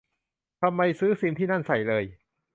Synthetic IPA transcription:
t̪ʰa˧mːa˧jsɯː˦˥siː˧mt̪ʰiː˥˩na˥˩nsa˨˩jlɤː˧j

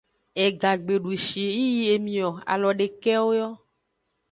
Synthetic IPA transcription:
e˨ɡa˨ɡ͡be˨ɖu˨ʃi˨e˨ji˦ji˦e˨mĩ˨ɔ˨a̰˨lɔ˨ɖe˨kɛ˦wo˦jɔ˦

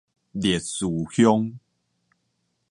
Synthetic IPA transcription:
dje˨˩t̚suː˨˩hjɔ˦ŋ

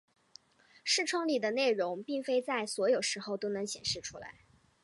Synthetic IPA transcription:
ʂɻ̩˥˩ʈ͡ʂʰwɤ˥ŋli˨˩d̪ə˦ne˥˩ɪɻʊ˧˥ŋpi˥˩ŋfe˥ɪt͡sa˥˩ɪswɔ˧˥jo˨˩ʊʂɻ̩˧˥xo˥˧ʊt̪o˥ʊnɤ˧˥ŋɕjɛ˨˩nʂɻ̩˥˩ʈ͡ʂʰu˥la̰˧˥ɪ

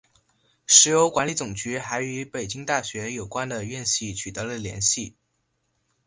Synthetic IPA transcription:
ʂɻ̩˧˥jo˧˥ʊkwa˧˥nli˧˥˩t͡sʊ˨˩ŋt͡ɕy˧˥xa˧˥ɪy˧˥pe˨˩ɪt͡ɕi˥ŋt̪a˥˩ɕɥɛ˧˥jo˨˩ʊkwa˥nd̪ə˨ɥɛ˥˧nɕi˥˩t͡ɕʰy˨˩t̪ɤ˧˥lə˨ljɛ̰˧˥nɕi˥˩

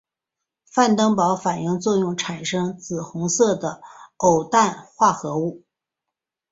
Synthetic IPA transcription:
fa˥˩nt̪ɤ˥ŋpɑ˧˥ʊfa˨˩njɤ˥˧ŋt͡swɔ˥˧jʊ˥˩ŋʈ͡ʂʰa˨˩nʂɤ˥ŋt͡sɹ̩˨˩xʊ˧˥ŋsɤ˥˩d̪ə˩o˨˩ʊt̪a˥˩nxwa˥˩xɤ˧˥u˥˩

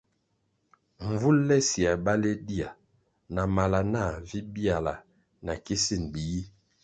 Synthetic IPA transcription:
ɱ˨vu˦lːɛ˦si˨a˨ba˦le˦di˦a˨ | na˨ma˨la˨na˦˨vi˦bi˦a˨la˨ | na˨ki˦si˦˨nbi˨ji˦

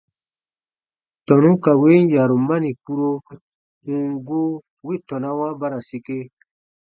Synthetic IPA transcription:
tɔ̃˨nũ˦ka˨we˦n˦ja˨ɾo˨ma˦nĩ˨k͡pu˦ɾo˧ | ũ˨ŋɡo˦ | we˦˨tɔ̃˨na˦wã˦ba˦ɾa˨se˧ke˦

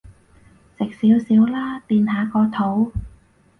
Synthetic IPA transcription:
sɪ˨k̚siː˨˥wsiː˨˥wlaː˥t̪iː˧nɦaː˨˧kɔː˧t̪ʰo˨˥w

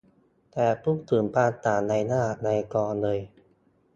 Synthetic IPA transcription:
t̪ɛː˨˩pʰuː˥˩t̪ɯː˩˦mpaː˧t̪aː˨˩na˧jnaː˧˥la˨˩ʔna˧kɔː˧nlɤː˧j

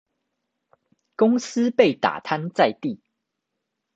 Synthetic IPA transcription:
kʊ˥˦ŋs̩˦pe˥˨ɪt̪a̰˨˩t̪ʰa˦nt͡sa˥˧ɪt̪i˥˨

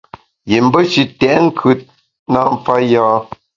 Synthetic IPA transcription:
je˨m̩˦bə˦ʃi˦tɛ˨ʔŋ̩˦kʰʉ˦t̚ | na˦˨ɱ˦fa˦jaː˦

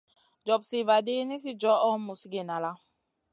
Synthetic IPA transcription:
d͡ʒɔ˨bsi˨va˨de˦ni˦s̬i˦d͡ʒɔ˦ɔ˦mu˨si˦ɡe˨na˨la˦˨

